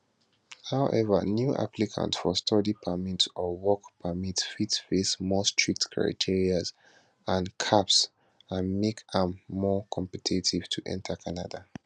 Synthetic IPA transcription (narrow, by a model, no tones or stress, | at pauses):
haʊʔɛ̰və̰njuʔa̰pʰlikʰã̰ntfɔstʰɔdipʰəmitɔwɔkpʰəmitfitfesmɔstʰɹik̚tkʰɹa̰ɪtʰiɹiaz | ãnkʰaps | ãnmekãmːɔkʰɔ̃mpɛtʰitʰiv̥tʰuʔɛ̰̃ntʰəkʰana̰da